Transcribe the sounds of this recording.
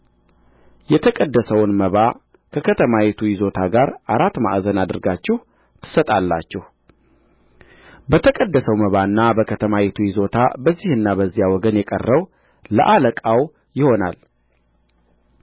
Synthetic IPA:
jɛt̪ʰəkʼəd̪ːəsəwnməβa | kʰəkʰət̪ʰəmajet̪ʰujɪzo̞t̪ʰaɡaɾaɾat̪ːma̰ʔzənad̪ɨɾɡat͡ʃːɛh | t̪ʰɨ̥sət̪ʼalːa̰t͡ʃːɛh | bət̪ʰəkʼəd̪ːəsəwməβaɨnːabəkʰət̪ʰəmajet̪ʰujɪzo̞t̪ʰa̰bəzːihɨnːabəzːijawɔɡənjɛkʼə̰rːəw | lə̰ʔaləkʼaw | jɪho̞na̰l

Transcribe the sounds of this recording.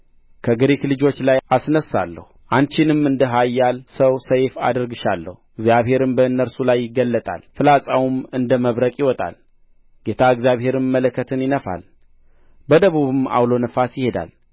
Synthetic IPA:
kʰəɡɨɾiklɨd͡ʒo̞t͡ʃːlajasnəsːa̰lːə̰huʔant͡ʃɪnɨmɨnd̪əɦajːalsəwsəjfa̰d̪əɾɡɨʃalːə̰huɨɡzijaβhe̞ɾɨmbəɨnːəɾsulajːɪɡːəlːət̪ʼa̰lfɨlasʼawumɨnd̪əməβɾəkʼjɪwɔt̪ʼa̰l | ɡ̥e̞t̪ʰaɨɡzjaβhe̞ɾɨmmːələkʰːət̪ʰɨnjɪnəfa̰l | bəd̪əβuβɨma̰wlo̞nəfasjɪhe̞d̪a̰l

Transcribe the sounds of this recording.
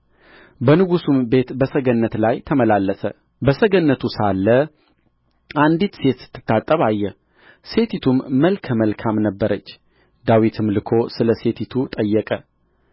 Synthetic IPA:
bənɨɡusumbe̞t̪bəsəɡənːət̪lajt̪ʰəməlalːəsə | bəsəɡənːət̪ʰusalːə | and̪it̪se̞t̪sɨ̥t̪ːɨ̥t̪ːat̪ʼːəβajːɛ | se̞t̪ʰit̪ʰumːəlkʰəməlkʰamnəbːəɾət͡ʃː | d̪awit̪ʰɨmlɨkʰo̞sɨləse̞t̪ʰit̪ʰut̪ʼəjːɛkʼə

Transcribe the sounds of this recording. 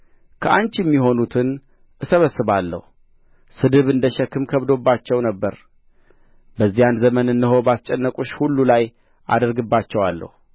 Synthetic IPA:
kʰəʔant͡ʃjɛmːiɦo̞nut̪ʰɨn | ʔɨsəβəsːɨβalːə̰hu | sɨd̪ɨβɨnd̪əʃɛkːɨmkʰəβd̪o̞bːat͡ʃːɛwnəbːəɾ | bəzːijanzəmənɨnːɨɦo̞bast͡ʃʼɛnːəkʼuʃhulːulaj | ʔa̰d̪əɾɡɨbːat͡ʃːɛwalːə̰hu

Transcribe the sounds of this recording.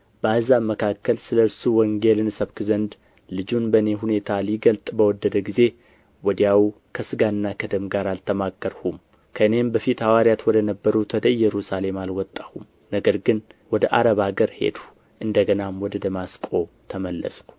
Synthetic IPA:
b̥əahɨzaməkʰakːəlsɨləɾsuwɔŋɡe̞lɨnsəβkɨzənd̪ | lɨd͡ʒunbəɨne̞ɦune̞t̪ʰaliɡəlt̪ʼbəwɔd̪ːəd̪əɡize̞ | wɔd̪ijawu | kʰəsɨɡanːakʰəd̪əmɡaɾalt̪ʰəmaɡːəɾhum | kʰəɨne̞mbəfit̪hawaɾjat̪wɔd̪ənəbːəɾut̪ʰːəd̪əjjːɛɾusale̞malwɔt̪ʼːəhum | nəɡəɾɡɨnwɔd̪əʔa̰ɾəβaɡəɾhe̞̰d̪u | ʔɨnd̪əɡənamwɔd̪əd̪əmaskʼo̞ | t̪ʰəməlːə̰skʷ

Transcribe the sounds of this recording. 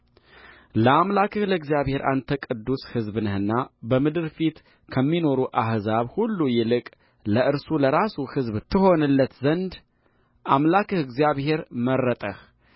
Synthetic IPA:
ləamlakʰɨhləɡzjaβhe̞ɾʔa̰nt̪ʰəkʼɨd̪ːushɨzbɨnəhɨnːabəmɨd̪ɨɾfit̪ | kʰəmːino̞ɾuʔahzaβhulːujɪlɨkʼ | ləʔɨɾsuləɾasuhɨzβt̪ʰːɨho̞nɨlːət̪zənd̪ | ʔamlakʰɨhɨɡzijaβhe̞ɾmərːət̪ʼəh

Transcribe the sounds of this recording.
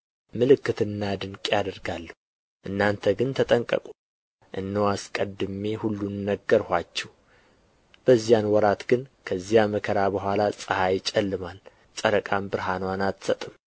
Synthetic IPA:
mɨlɨkːɨt̪ʰɨnːad̪ɨŋkʼjad̪əɾɡalːəh | ʔɨnːant̪ʰəɡɨnt̪ʰət̪ʼəŋkʼə̰kʼu̥ | ʔɨ̰nːəwaskʼəd̪ɨme̞hulːunːəɡːəɾhʷat͡ʃːɛw | b̥əzːijanwɔɾat̪ɡɨnkʰəzːijaməkʰəɾabəhʷalasʼəhajɪt͡ʃʼɛlːɨmal | sʼəɾəkʼambɨɾɦanwanat̪sət̪ʼɨm

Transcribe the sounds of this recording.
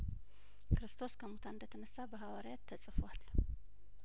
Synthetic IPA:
kʰɨɾɨst̪ʰo̞skʰəmot̪ʰaɨnd̪ət̪ʰənəsːabəɦawaɾjat̪ʰːəsʼɨfwal

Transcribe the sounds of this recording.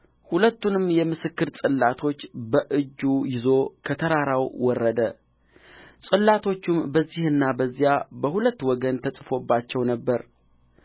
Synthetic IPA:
hulət̪ːunɨmːjɛmɨsɨkːɨɾsʼɨlːat̪ʰo̞t͡ʃːbəʔɨd͡ʒːujɪzo̞kʰət̪ʰəɾaɾawwɔrːəd̪ə | sʼɨlːat̪ʰo̞t͡ʃːumbəzːihɨnːabəzːijabəhulət̪ːwɔɡənt̪ʰəsʼɨfo̞bːat͡ʃːɛwnəbːəɾ

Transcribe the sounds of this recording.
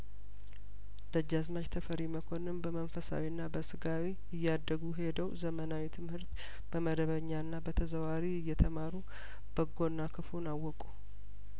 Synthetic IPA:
d̪̥əd͡ʒːazmad͡ʒt̪ʰəfəɾiməkʰo̞nɨmbəmənfəsa̰winːabəsɨɡawi | ɪjːad̪ːəɡuɦe̞d̪əwzəmənawit̪ʰɨmhɨɾt̪ | b̥əməd̪əβəɲːanːabət̪ʰəzəwaɾiɪjːɛt̪ʰəmaɾu | b̥əɡo̞nːakʰɨfunawːɔkʼu

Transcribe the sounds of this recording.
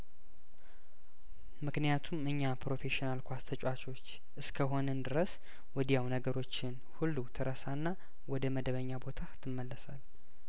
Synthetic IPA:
mɨknɨjat̪ʰumɨɲːapɾo̞fe̞ʃinalkʷast̪ʰət͡ʃʼwat͡ʃo̞t͡ʃː | ʔɨskʰəɦo̞nənd̪ɨɾəs | wɔd̪ijawnəɡəɾo̞t͡ʃːɪn | hulːut̪ʰɨɾʔəsanːa | wɔd̪əməd̪əβəɲːabo̞t̪ʰat̪ʰɨmːəlːəsal

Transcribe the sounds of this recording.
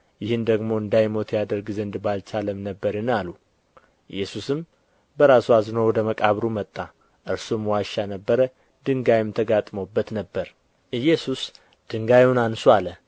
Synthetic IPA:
jɪhɨnd̪əɡmo̞ɨnd̪ajmo̞t̪ʰjad̪əɾɡzənd̪balt͡ʃʰaləmnəbːəɾɨnalu | ʔɨ̰jːɛsusɨm | bəɾasuaznəwɔd̪əməkʼaβɾumət̪ʼːa | ʔɨɾsumwaʃanəbːəɾə | d̪̥ɨŋɡajɪmt̪ʰəɡat̪ʼmowbːət̪nəbːəɾ | ʔɨjːɛsus | d̪̥ɨŋɡajwnansualə

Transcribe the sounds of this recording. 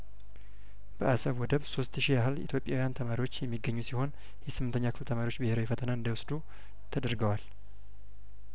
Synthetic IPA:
b̥əʔasəβwɔd̪əβsost̪ʃiaɦɨlḭt̪ʰjo̞pʼːjawijant̪ʰəmaɾiwo̞t͡ʃːjɛmːiɡːəɲːusiho̞n | jɛsɨmːnt̪ʰəɲːakʰɨ̥flt̪ʰəmaɾiwot͡ʃːbɨheɾəwifət̪ʰənaɨnd̪əwʊsd̪u | t̪ʰəd̪əɾɡəwal

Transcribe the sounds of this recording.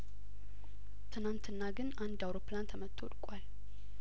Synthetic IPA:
t̪ʰɨnant̪ʰɨnːaɡɨnand̪awɾopʰːlant̪ʰəmət̪ʰːo̰lkʼwal

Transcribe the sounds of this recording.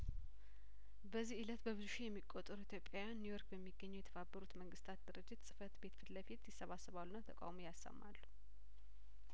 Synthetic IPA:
bəzːihʔɨlət̪bəβɨzuʃejɛmːikʼːot̪ʼːəɾuit̪ʰjo̞pʼːjawjanːujo̞ɾkbɛmːiɡːəɲːɛwjɛt̪ʰəβabːəɾut̪məŋɡɨst̪ʰat̪̚d̪ɨɾɨd͡ʒːɪt̪sʼɨ̥fət̪be̞t̪fɨd̪ləfit̪jɪsːəβasːəβalːunːat̪ʰəkʼa̰wmojasːə̰mːalːu̥

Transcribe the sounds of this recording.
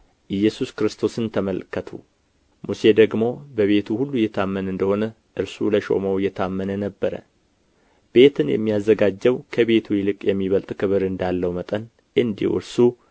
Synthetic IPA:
ʔɨjːɛsuskɾɨst̪ʰo̞sɨnt̪ʰəməlkʰːət̪ʰṵ | muse̞d̪əɡmo̞bəβe̞t̪ʰuhulːujːɛt̪ʰamːənɨnd̪əho̞nə | ʔɨɾsuləʃo̞̰məwjɛt̪ʰamːənənəbːəɾə̰ | b̥e̞t̪ʰɨnjɛ̰mːijazːəɡad͡ʒːɛwkʰəβe̞t̪ʰujilɨkʼjɛmːiβəlt̪ʼkʰɨβɨɾɨnd̪alːəwmət̪ʼən | ʔɨnd̪ḭwɨ̰ɾsu

